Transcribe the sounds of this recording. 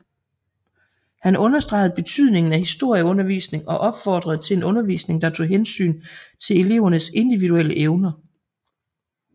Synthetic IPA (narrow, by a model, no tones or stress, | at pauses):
hænʔɔ̽nɐsd̥ʁɑ̈ɪð̩ˠb̥e̝t͡sʰyð̰ˠne̝ŋn̩æhisd̥o̝ɐ̰jəɔ̽nɐʋḭːsne̝ŋɒ̽ʔɒ̽b̥fɒːd̥ʁɐð̩ˠt͡sʰe̝le̝nɔ̽nɐʋḭːsne̝ŋd̥ɑ̈t͡sʰo̝̰ːɦensy̰ːnt͡sʰe̝le̝le̝̰ʊɐnəse̝nd̥iʋiðuel̰əʔeʊnɐ